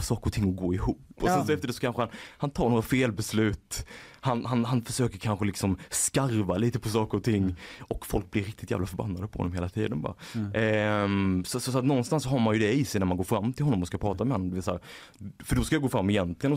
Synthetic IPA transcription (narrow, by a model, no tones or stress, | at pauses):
sɑːkəɾɔt̪ʰɪŋːɔɡoːɪhuːppːɔsɛnns̬ɔɛft̪əɖɛsɔ̥kʰanɧəhanhant̪ʰɑːɾɳoːɾafeːlbɛslʉ̟ːt̪hanhanɦanfœʂøːkəɾkʰanɧəlɪksɔmskaɾvaliːt̪əpʰɔsɑːkəɾɔt̪ʰɪŋːɔkfɔ̰lk̚blɪɾɪk̚t̪ɪt̪jæ̰ːvlafœɾba̰nːad̪əpɔhɔ̰nːɔmeːlat̪ʰḭːd̪ənbɑ̰ːɾa | sɔsɔsɔat̪nɔnst̪ansːɔɦaɾmanjɵd̪ɛiːsɛjnæɾmanɡoːɾfɾamːt̪ʰɪlhɔnːɔmɔskapʰɾɑːt̪amɛhɔnːmɔd̪ɛvɛːsaæːɾ | fœɖɔskajaɡoːfɾamːɛɪjɛnt̪ʰlɪɡənɔ